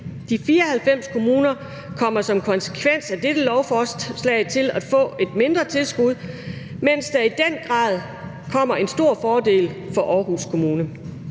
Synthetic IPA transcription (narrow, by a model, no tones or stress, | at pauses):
d̥ifiːɐɒhælfem̰skʰo̝muːnɐ | kʰɒ̽m̰ɐsɒ̽mkʰɒ̽nse̥kʰʋen̰sæd̥ed̥əlɒʊfɒːslɛ̰ɪt͡sʰe̝læ̥fɔ̰̽ːe̝d̥̚me̝nd̥ʁɐt͡sʰe̝lsɡ̥uð̞̰ˠ | men̰sd̥ɑ̈id̥enɡ̥ʁɑ̰̈ːðˠ | kʰɒ̽m̰ɐe̝nsd̥o̝ɐ̰fɒːd̥e̝̰ːlfɒ̽ʔɒːɦuskʰo̝muːnə